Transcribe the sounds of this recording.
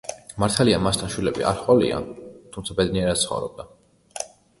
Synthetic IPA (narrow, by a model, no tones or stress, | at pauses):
maɾt̪ʰalianmast̪ʰanʃwilɛbḭʔa̰ɾχʼɔlḭa̰nt̪ʰumt̪sʰabɛd̪niɛɾat̪tsχɔ̰vɾɔ̰b̚d̪a